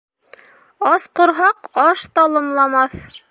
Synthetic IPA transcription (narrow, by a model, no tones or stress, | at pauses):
ɑsqŏɾɦɑqɑʃt̪ɑlˠɤ̆mlˠɑmɑθ